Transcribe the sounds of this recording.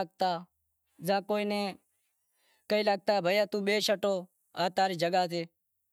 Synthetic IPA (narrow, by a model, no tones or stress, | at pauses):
ɡ̚t̪aː | zãːkoːiːneː | kəiːlaːɡ̚t̪aːbʱəjaːt̪ũːɓeːʃəʈoː | aːt̪aːɾiːd͡ʒəɡaːt̪eː